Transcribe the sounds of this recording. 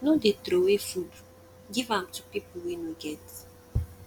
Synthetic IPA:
nodedɾowefud | ɡivãmtupipl̩winuɡɛt

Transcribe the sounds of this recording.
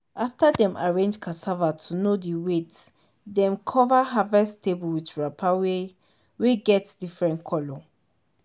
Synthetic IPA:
ʔaftadɛ̃ma̰ɹẽnd͡ʒkʰasavatʰunodiwet | dɛ̃mkʰɔvaɦavɛstʰebulwidɹapʰawe | weɡɛtdifɹɛ̃ntkʰɔlɔ

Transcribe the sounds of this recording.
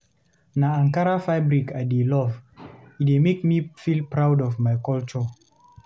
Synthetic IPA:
naãŋkaɾafaɪbɹikajdelɔvitemekmifilpɹawdɔvmajkɔlt͡ʃɔ

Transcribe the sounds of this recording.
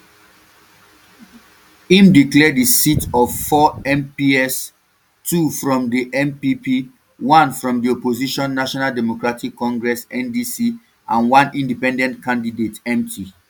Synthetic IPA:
ĩmdiklɛdisitɔv̥fɔɛ̃mpiɛs | tʰufɹɔ̃mdiʔɛ̃mpipi | wãnfɹɔ̃mdiɔpoziʃɔ̃nːaʃɔnaldɛmokɹatikːɔ̃ŋɡɹɛsɛ̃ndisi | ʔãnwãnĩndipɛ̃ndɛ̃ntkãndidetɛ̃mtʰi

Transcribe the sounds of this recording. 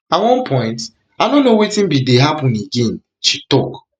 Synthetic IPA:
awɔ̃npʰɔ̃ɪ̃nt | adõnːowitĩnbideɦapũneɡɛ̃n | ʃitɔk

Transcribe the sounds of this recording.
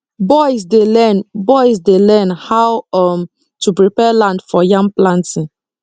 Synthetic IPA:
bɔɪzdelɛnbɔɪzdelɛnhawm | tupɹipɛlãndfɔjãmplãntĩ

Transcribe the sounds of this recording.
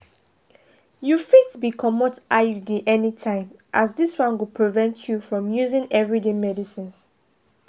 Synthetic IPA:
jufitbikʰɔmɔtajudiʔɛnitʰãɪ̃mʔazdiswãnwipʰɹivɛ̃ntʰjufɹɔ̃mjuzɪ̃ŋɛvɹidemɛdisĩns

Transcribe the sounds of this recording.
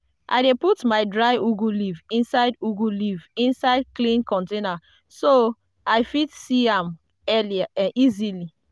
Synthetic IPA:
ʔa̰ɪdeputmaɪdɹaɪuɡulivĩnsaɪduɡulivĩnsaɪd̚klĩnkɔ̃ntena | so | aɪfitsiãm | ɛliaʔãizili

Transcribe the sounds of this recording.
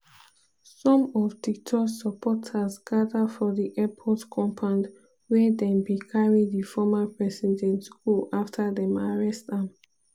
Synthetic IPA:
sɔ̃mɔftik̚tʰɔksəpʰɔtʰasɡadadfɔdiʔɛpʰɔtkʰɔ̃mpʰãnd | wɛdɛ̃mbikʰaɹidifɔmapʰɹɛsid͡ʒɛ̃ntskulaftʰadɛ̃maɹɛstam

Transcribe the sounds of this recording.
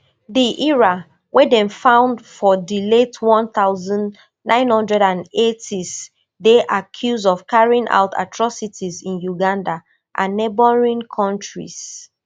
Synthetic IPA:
diʔiɹa | wʔɛdɛ̃nfãʊ̃ndfɔdiletʰwɔ̃nθaʊzɔ̃n | nãɪ̃nhɔ̃ndɹɛdãnetʰis | deʔakʰjuzdɔv̥kaɹiĩŋʔa̰ʊtʰa̰tʰɹɔsitʰizĩnjuɡãnda | ʔãnːebɔɹĩnkʰɔ̃ntɹḭs

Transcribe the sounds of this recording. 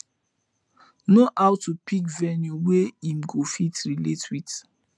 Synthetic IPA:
noʔawtupikvɛnjuweimɡofitɹiletwit

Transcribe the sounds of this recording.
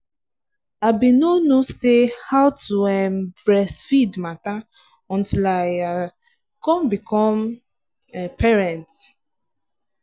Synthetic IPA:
abinonosehawtuɛmbɹɛsfidmata | ɔ̃ntilaɪa | kɔ̃mbikʰɔm | pɛɹɛ̃nt

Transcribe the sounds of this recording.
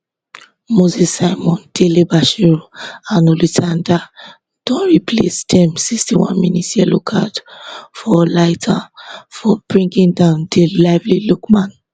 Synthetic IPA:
mozisːaɪmɔ̃nd̥elebaʃiɹoãnolitʰãnda | d̥ɔ̃nɹiplestʰɛ̃msikstiwã̰nminitiɛlokʰatfɔlaɪtʰãfɔb̥ɹĩŋɡĩŋdãʊ̃ndelaɪvlilukmãn

